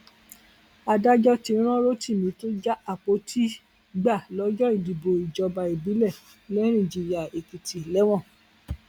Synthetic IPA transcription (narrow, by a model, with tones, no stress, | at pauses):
a˧da˦d͡ʒɔ˦tĩ˧˦ɾ̃ɔ̃˦ɾo˦ti˦˨mĩ˧to˦d͡ʒa˦a˦˨k͡po˧˦tʰi˦ | ɡ͡ba˦˨lɔ˨˧˦d͡ʒɔ˦i˦˨di˨bo˨i˨d͡ʒɔ˧ba˧i˨bi˨˦lɛ˦˨ | lɛ˦ñĩ˦˨d͡ʒi˨ja˨e˨ki˨tʰi˨lɛ˨˦w̃ɔ̃˦˨